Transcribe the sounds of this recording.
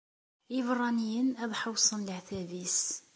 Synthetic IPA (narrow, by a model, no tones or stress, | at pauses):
ivrˤːɑnijənæðˤħəwsˤənlʕθævis